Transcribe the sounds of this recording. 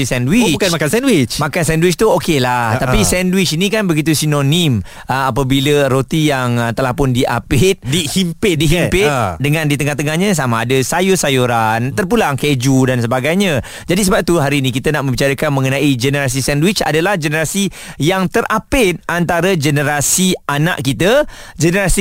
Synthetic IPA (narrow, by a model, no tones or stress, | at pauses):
isɛndwit͡ʃbukanmakansɛndwɪt͡ʃmãkansɛndwɪt͡ʃt̪uokelaht̪apisɛndwɪt͡ʃinĩkanbəɡit̪̬usinonim | əap̬əbiləɾot̪ijaŋət̪əlahpʊndiʔa̰pɪt̪̚dihimpɪdiɦimpɪt̪dəŋãndit̪əŋaht̪əŋahɲãs̬amaːdəsajʊsajuɾant̪ərpulaŋked͡ʒudansəbaɡajɲə̃ | d͡ʒadis̬əbap̚t̪uɦaɾinĩkit̪ənaʔmə̃mbit͡ʃaɾəkanmə̃ŋənãid͡ʒənəɾas̬isɛndwɪt͡ʃa̰dalahd͡ʒənəɾasi | jaŋt̪əɾʔapɪt̪̚ant̪aɾəd͡ʒənəɾasiʔana̰ʔkit̪əd͡ʒənəɾasi